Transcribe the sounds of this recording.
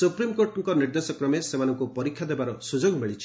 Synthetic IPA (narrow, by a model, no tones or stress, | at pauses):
supɾimkoɾʈŋkɔniɾd̪esɔkɾɔmesemanɔŋkupɔɾikʰːjad̪ebaɾɔsud͡ʒoɡmiɭit͡ʃʰi̥